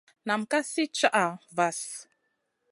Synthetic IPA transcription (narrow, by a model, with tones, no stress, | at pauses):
na˨mka˦si˦t͡ʃa˦ʔa˨va˨s